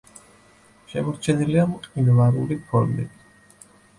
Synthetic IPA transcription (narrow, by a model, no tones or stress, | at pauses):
ʃɛmɔɾt͡ʃʰɛniliamqʼinvaɾulipʰɔɾmḭt̪ʰ